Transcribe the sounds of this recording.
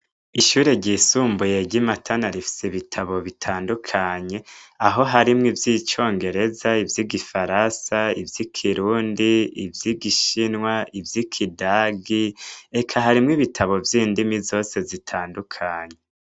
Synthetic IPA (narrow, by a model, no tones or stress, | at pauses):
iʃuːɾe̞ɟiːsuːmbuje̞ɟimatʰanaɾifi̥seβitʰaβo̞βitʰaːndukʰaɲe̞aɦo̞ɦaɾimŋivjit͡ʃo̞ːŋɡe̞ɾe̞zaivjiɡifaɾasaivjikʰiɾuːndiivjiɡiʃinŋwaivjikʰidaːɡie̞kʰaɦaɾimŋiβitʰaβo̞vjiːndimizo̞ːse̞zitʰaːndukʰaɲe